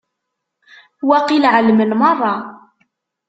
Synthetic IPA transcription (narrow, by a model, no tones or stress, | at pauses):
wæqilʕəlmənmɑrˤːɑ